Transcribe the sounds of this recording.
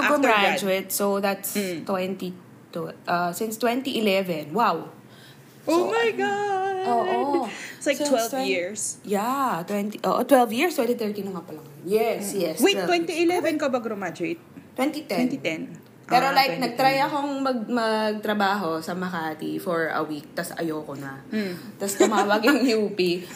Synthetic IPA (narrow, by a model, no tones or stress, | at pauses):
ɐkod̪ɹad͡ʒuɪt̪̚soðɐt̪st̪wɛnt̪i | t̪ʔɐsɪnst̪wɛnt̪iʔɪlɛvɛnwaw | omajɡaoʔolajktwɛljiɹsjat̪wɛnt̪iʔoːʔo̰t̪wɛlvjiɹstwɛ̃nt̪it̪ɛɹt̪inɐŋapɐlɐŋjɛsjɛswejɛwɛnt̪iɪlɛvɛnkɐbɐɡɾomad͡ʒɾet̪̚t̪ːwɛnt̪it̪ɛnt̪ɛn | pɛːɾolajk̚nɐɡ̚t̪ɾajɐko̞ŋmɐɡ̚mɐɡ̚t̪ɾɐbaːɦo̞sɐmɐkaːt̪ifɔɹɐ̰wik̚t̪ɐsʔɐ̰jokonɐt̪ɐst̪ʊmaːwɐɡɐŋjupi